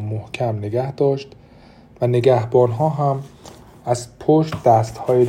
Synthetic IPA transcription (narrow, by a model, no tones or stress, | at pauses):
mohcʰæmneɡæhd̪ɒːʃt̪ | væneɡæhbɒːnɦɒːɦæm | æzpʰoʃt̪̚d̪̥æst̪hɒːje